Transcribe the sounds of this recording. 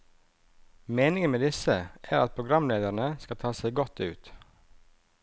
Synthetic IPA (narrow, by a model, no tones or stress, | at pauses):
meːnɪŋənmeːd̪ɪsəʔæːɾɑt̪̚pʰɾʊɡɾɑmleːd̪əɾɳəskɑt̪ʰɑːseɪɡɔt̪ːʉ̰ːt̪